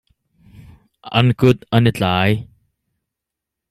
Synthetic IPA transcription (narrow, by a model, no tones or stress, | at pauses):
ʔɐ̰nkʊt̪̚ɐnɪt͡ɬaːj